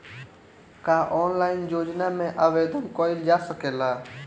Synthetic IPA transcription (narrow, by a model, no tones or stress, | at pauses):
kaːʔɔːnlaːɪnjoːd͡ʒnamẽʔaʋeːd̪ʱənkoːɪld͡ʒaːsəkeːlaː